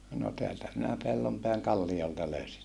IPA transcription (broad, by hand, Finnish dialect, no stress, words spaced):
no teæltæ minæ pelːompeæŋ kɑlːijoltɑ løysin